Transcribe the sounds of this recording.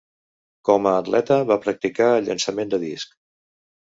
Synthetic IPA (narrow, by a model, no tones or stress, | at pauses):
kɔməːt̪lʔɛt̪əβapɾək̚t̪ikaəlʎːə̰nsəmend̪əðisk